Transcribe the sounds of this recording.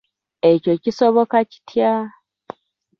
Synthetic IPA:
e̞co̞cisoβokaci̥tʰja

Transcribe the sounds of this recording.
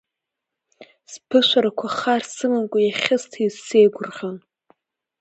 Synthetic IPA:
spʰɨʃʷaɾakʷʰaχarsɨmɨnkʷʼajaχʲɪstʰizsejɡʷʊrʁʲan

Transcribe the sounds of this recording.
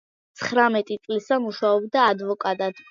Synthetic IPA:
t̪sʰχɾamɛt̪ʼit̪sʼlisamuʃaɔbd̪aːd̪vɔkʼat̪ʼad̪̥

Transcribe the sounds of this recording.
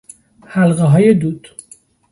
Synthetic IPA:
hælɢeɦɒːjed̪uːd̪̥

